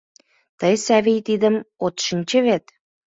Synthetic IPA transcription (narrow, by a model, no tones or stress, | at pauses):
t̪əjsæβijt̪id̪ə̆mot̪ʃinʲt͡ɕə̆βet̪